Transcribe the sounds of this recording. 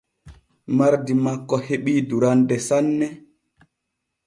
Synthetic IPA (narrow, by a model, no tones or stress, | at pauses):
maɾdimakːɔheɓiːduɾandɛsanːɛ